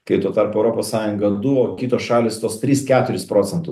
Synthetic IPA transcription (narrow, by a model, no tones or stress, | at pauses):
kɐɪt̪oːt̪ɐɾpoɛʊɾoːpoːssɑːjʊŋɡɐd̪ʊʋoːkʲiːt̪oːsʃɑːlʲɪːst̪oːst̪ʲɾʲiːskʲæːt̪ʊɾʲɪspɾoːsʲɛnt̪ʊs